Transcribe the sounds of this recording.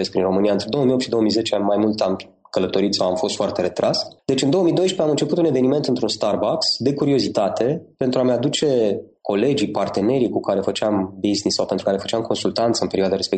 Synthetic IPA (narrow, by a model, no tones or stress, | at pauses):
es̚pɾinro̞mɨnijaɨnt̪ɾe̞d̪o̞omiopt̪ʃid̪o̞oəmijze̞t͡ʃeanʲmajmult̪am | kələt̪o̞ɾit̪sawamfo̞st̪foart̪e̞ɾe̞t̪ɾʔasd̪e̞t͡ʃɨnd̪o̞əmijd̪o̞jʃpeamɨnt͡ʃe̞put̪une̞ve̞nime̞nt̪ɨnt̪ɾunst̪arbaksd̪e̞kuɾio̞zit̪at̪e̞pe̞nt̪ɾuamad̪ut͡ʃe̞ | ko̞le̞d͡ʒipart̪e̞ne̞ɾikukaɾe̞fət͡ʃeambiznisːawpent̪ɾukaɾe̞fə̥t͡ʃamkʰo̞nsult̪ant̪səɨmpe̞ɾiwad̪aɾe̞spe